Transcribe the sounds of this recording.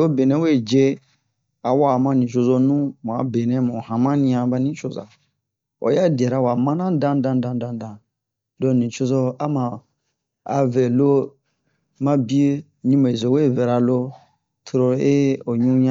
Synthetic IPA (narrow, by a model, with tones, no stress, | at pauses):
o˦be˨nɛ̃˨˦we˦˨d͡ʒe˦ | a˨wa˦˨mã˦nĩ˨t͡ʃo˧zo˧nũ˦mũ˨a̰˨be˨nɛ̃˦mũ˨hã˨mã˦nĩ˧˦ã˨˧ba˧nĩ˦t͡ʃo˨za̰˨ | o̰˨˦ja˦˨dɛ˨ɾa˦wa˨mã˦nã˦dã˦ndã˧ndã˧ndã˨n˨dã˨ | dɔ˦˨nĩ˨t͡ʃo˧zo˦a˦mã˨ | a̰˨vɛ˨lo˦ | mã˦bi˦e˦ | ɲĩ˦me˨zo˨we˦˨vɛ˨ɾa˨lo˦ | tʰo˧ɾo˧˦e˦o˨ɲũ˦ɲã˦